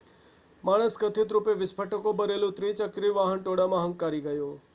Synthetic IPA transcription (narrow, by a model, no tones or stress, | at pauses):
maɽ̃əskət̪ʰɪt̪ɾupeʋɪspʰəʈəkobəɾelũt̪ɾit͡ʃəkɾiʋaɦənʈoɽamãɦə̃ŋɡkaɾiɡəjo